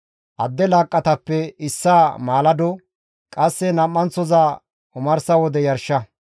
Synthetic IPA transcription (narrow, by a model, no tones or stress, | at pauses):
ʔɐd̪ːɛlaːkʼːɐt̪ɐpːɛɪsːaːmaːlɐd̪ɔ | kʼɐsːɛnɐmːɐnt͡sːɔzaː | ʊmɐɾsɐwɔd̪ɛjɐɾʃːɐ